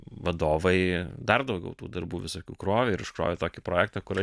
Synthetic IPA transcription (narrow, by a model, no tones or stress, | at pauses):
ʋɐd̪oːʋɐɪd̪ɐrd̪ɐʊɡʲɛ̰ʊt̪ṵːd̪ɐɾbuːʋʲɪsoːkʲuːkɾoːʋʲeɪɾɪʃkɾo̰ːʋʲet̪oːkʲipɾoːjæːk̚t̪ɑkʊɾɐ